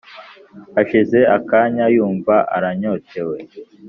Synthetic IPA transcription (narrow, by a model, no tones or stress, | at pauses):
aʃize̞akaːɲajuːɱvaʔa̰ɾaɲote̞we̞